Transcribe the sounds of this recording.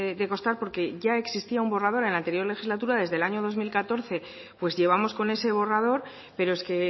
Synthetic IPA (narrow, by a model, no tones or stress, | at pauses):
d̪e̞ko̞st̪aɾpo̞ɾke̞ʝae̞ksist̪iaumbo̞rað̞o̞ɾe̞nant̪e̞ɾjo̞ɾle̞xizlat̪uɾaðe̞zðe̞laɲo̞ð̞o̞zmilkat̪o̞ɾθe̞ | pwe̞zʝe̞β̞amo̞sko̞ne̞se̞β̞o̞rað̞o̞ɾ | pe̞ɾo̞eske̞